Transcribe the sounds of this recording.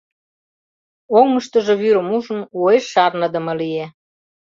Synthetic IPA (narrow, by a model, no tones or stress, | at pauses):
oŋməʃt̪əʒɤ̆βyɾə̆muʒə̆nueʃːɑrnə̆d̪ə̆mɤ̆lie